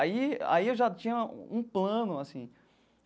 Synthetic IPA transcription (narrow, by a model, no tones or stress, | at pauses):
aia̰iewʒat͡ʃĩɲɐũplɐ̃nʊasĩ